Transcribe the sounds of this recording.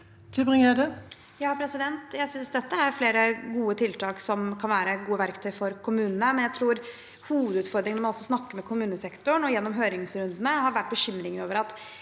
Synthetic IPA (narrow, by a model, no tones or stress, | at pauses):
t̪ʰʉbʁɪŋədə | jɑːpʰɾɛsɪd̪ɛnt̪jæɪsʏnsd̪ɛt̪ːəæɾfleːɾəɡuːət̪ʰɪlt̪ʰɑːksɔmkʰɑnʋæːɾəɡuːəʋæɾkt̪ʰœʏfɔɾkʰʊmʉːnənəmɛnjæɪt̪ʰɾuːɾ | huːʋəd̪ʉːt̪fɔɾd̪ɾɪŋnɔmɑnɔsːɔsnɑkːəɾmɛkʰʊmʉːnəsɛkt̪ʊɳɔjɛnːɔmɦøːɾɪŋsɾʉnd̪ənəhɑɾʋæʈːbəɕʏmːɾɪŋəɾoːʋəɾɑt̪